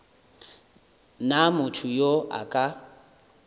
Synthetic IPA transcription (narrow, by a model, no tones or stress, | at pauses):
namʊtʰʊjoʔa̰kʼa